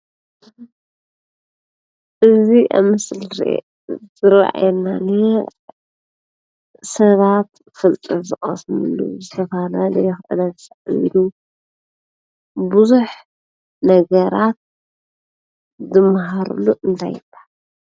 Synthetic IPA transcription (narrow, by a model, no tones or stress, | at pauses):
ʔɨziʔa̰mɨslɾ | zɨɾa̰ʔa̰jɛlːane | sɐβat̪ | fɨlt̪ʼɨzɨχʼɐ̰smɨlːṵzɨt̪ʰɐfɐlalɐjɛxʔɨ̰d̪azɨsaʔḭlu | buzuħ | nɐɡɐɾat̪̚ | zɨmɦaɾṵlːuʔɨnt̪ʰa̰jbḁ